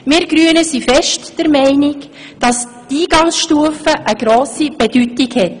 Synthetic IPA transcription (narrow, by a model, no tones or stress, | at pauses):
mɪːɾɡ̥ɾyənəsifɛʃtd̥əɾmɛɪnɪk | d̥ɑs | tiːɡɑŋsʃtuəfəʔəɡɾoːsib̥ed̥ytɪɡhɛt